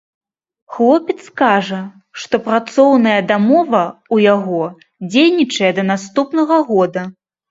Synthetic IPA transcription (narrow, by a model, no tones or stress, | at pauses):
xlˠɔpʲɛt̪skaʐɐ | ʂt̪ɔpɾat̪sɔwnɐjɐd̪amɔvɐujaɣɔ | d͡zʲejnʲit͡ʂɐjɐd̪ɐnast̪upnɐɣɐɣɔd̪ɐ